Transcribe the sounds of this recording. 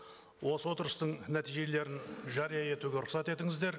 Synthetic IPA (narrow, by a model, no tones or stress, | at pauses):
wo̞səwo̞t̪əɾəst̪əɴnæt̪ijʒe̞le̞ɾɪnʒɑɾijɑe̞t̪uɡʲe̞ɾʊχsɑt̪e̞t̪ɪŋɪzd̪e̞ɾ